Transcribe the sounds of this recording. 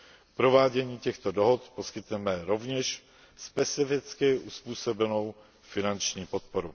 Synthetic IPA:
pɾo̞vaːɟɛɲiːcɛxt̪odoɦot̪po̞skɪt̪nɛmɛɾo̞vɲɛʃ | spɛt͡sɪfɪt͡skɪʔuspuːsobɛno̞w | fɪnant͡ʃɲiːpo̞t̪̚po̞ɾu

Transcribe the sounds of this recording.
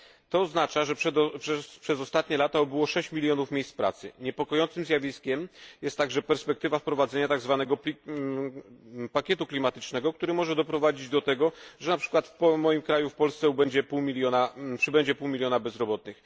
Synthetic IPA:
t̪ɔːznat͡ʂaʐɛʂɛpʂɛzɔst̪at̪ɲɛlat̪aɔbɘwɔʂɛɕt͡ɕmʲilʲjɔnufmʲejsspɾa̰t̪sɘ̰ɲɛpɔkɔjɔnt̪sɘmzʲjavʲiskʲɛmjɛst̪ːaɡʐɛpɛɾspɛk̚t̪ɘvafpɾɔvad̪zɛɲat̪aɡzvanɛɡɔpʲi | pakʲɛt̪uklʲimat̪ɘt͡ʂnɛɡɔkt̪uɾɘmɔʐɛd̪ɔpɾɔvad͡ʑid͡ʑd̪ɔt̪ɛɡɔʐɛnapʂɘ̥kwat̪fpɔmɔjimkɾajufpɔlst̪sɛubɛɲd͡ʑɛpuwmʲilʲjɔnapʂɘbɛɲd͡ʑɛpuwmʲilʲjɔnabɛzɾɔbɔt̪̚nɘx

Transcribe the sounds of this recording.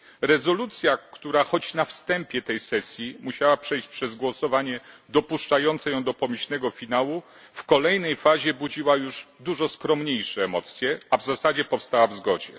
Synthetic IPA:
ɾɛzɔlut̪sʲjakt̪uɾaxɔt͡ɕnafst̪ɛmpʲjɛt̪ɛjsɛsʲjimuɕawapʂɛjɕt͡ɕpʂɛzɡwɔsɔvaɲɛd̪ɔpuʂt͡ʂajɔnt̪sɛjɔ̃w̃d̪ɔpɔmiɕnɛɡɔfʲinawu | fkɔlɛjnɛjfaʑɛbud͡ʑiwajuʐd̪uʐɔskɾɔmɲejʂɛːmɔt̪sʲjɛavzasad͡ʑɛpɔfst̪awavzɡɔd͡ʑɛ

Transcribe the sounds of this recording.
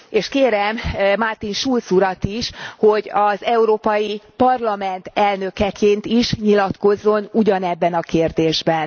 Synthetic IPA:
eːʃkeːɾɛmmart̪inʃult̪suɾɒt̪iʃho̞ɟɒzɛuɾoːpɒjipɒrlɒmɛnt̪ɛlnøkɛkʰeːnt̪iʃɲilɒt̪ko̞zːo̞nuɟɒnɛbːɛnɒkeːrd̪eːʒbɛn

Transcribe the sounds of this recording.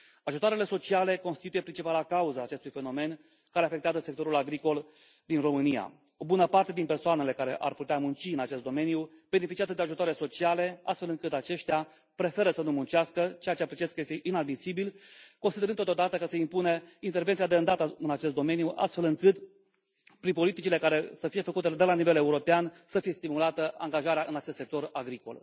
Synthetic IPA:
aʒut̪oaɾele̞so̞t͡ʃiale̞ko̞nst̪it̪uje̞pɾint͡ʃipalakauzaːt͡ʃe̞st̪ujfe̞no̞me̞n | kaɾe̞afek̚t̪eazəsekt̪o̞ɾulaɡɾiko̞l | d̪inro̞mɨnija̰ | o̞bunəpart̪e̞d̪inpersoane̞le̞kaɾe̞ʔa̰rput̪eamunt͡ʃiɨnat͡ʃe̞st̪d̪o̞me̞nijub̥e̞ne̞fit͡ʃiazəd̪eaʒut̪oaɾeleso̞t͡ʃiale̞a̰st̪fe̞lɨŋkɨt̪at͡ʃe̞ʃt̪ea | pɾe̞fe̞ɾəsənumunt͡ʃiaskət͡ʃejat͡ʃeaplit͡ʃieskəje̞st̪eʔinad̪misibilkonsid̪eɾɨnt̪ot̪od̪at̪əkəseimpuneint̪ervent̪siad̪eɨnd̪at̪əɨnat͡ʃe̞st̪̚d̪o̞me̞nijuʔa̰st̪fe̞lɨŋkɨt̪ | pɾinpo̞lit̪it͡ʃile̞kaɾe̞səfije̞fəkut̪e̞d̪e̞lanive̞le̞uɾo̞pean | səfije̞st̪imulat̪əa̰ŋɡaʒaɾeaʔɨnat͡ʃest̪sek̚t̪o̞raɡɾiko̞̰l

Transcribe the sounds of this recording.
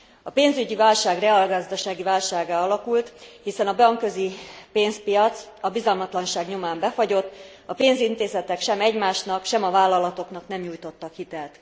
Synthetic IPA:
ɒpeːnzyɟivaːlʃaːɡrɛalɡɒzd̪ɒʃaːɡivaːlʃaːɡaːɒlɒkult̪hisɛnɒbɒŋkø̞zipeːnspijɒt̪s | ɒbizɒlmɒt̪lɒnʃaːɡɲomaːmbɛfɒɟo̞t̪ː | ɒpeːnzint̪eːzɛt̪ɛkʃɛmɛɟmaːʃnɒkʃɛmɒvaːlːɒlɒt̪o̞knɒknɛmɲuːjt̪o̞t̪ːɒkhit̪ɛlt̪

